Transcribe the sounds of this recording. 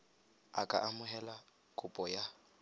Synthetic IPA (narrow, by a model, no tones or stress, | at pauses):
a̰kʼaʔamʊɦɛla | kʼʊpʼɔja